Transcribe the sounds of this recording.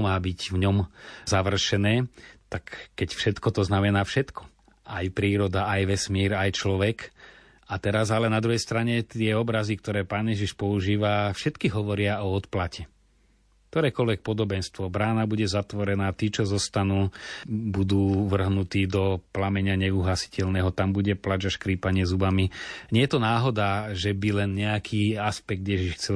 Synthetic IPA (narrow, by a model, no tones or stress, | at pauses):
maːbiɟvɲɔmzaʋr̩ʃɛnɛːt̪akːɛcfʃɛt̪kɔt̪ɔznamɛnaːfʃɛt̪kɔ̥ | ʔajpɾiːɾɔd̪aajʋɛsmiːɾajt͡ʃlɔʋɛk | at̪ɛɾazalɛnad̪ɾuɦɛjst̪ɾaɲɛt̪ɪɛɔbɾazikt̪ɔɾɛːpaːnjɛʒiʃpɔuʒiːʋafʃɛt̪kiɦɔʋɔɾɪaɔɔt̪placɛ | k̚t̪ɔɾɛːkɔlʋɛk̚pɔd̪ɔbɛnst̪ʋɔbɾaːnabuɟɛzat̪ʋɔɾɛnaːt̪iːt͡ʃɔzɔst̪anuːbud̪uːʋr̩ɦnut̪iːd̪ɔplamɛɲɪaɲɛuɦlasi̥cɛlnɛɦɔt̪ambuɟɛplad͡ʒaʃkɾiːpaɲɪɛzubamiɲɛjɛt̪ɔnaːɦɔd̪aːʒɛbilɛnɲɛakʰiːaspɛɡ̚d̪jɛʒiʃxt͡sɛ